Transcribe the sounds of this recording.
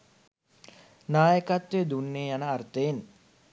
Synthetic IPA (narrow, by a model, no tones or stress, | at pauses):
naːjəkat̪ʋed̪unːeːjanəːrt̪əen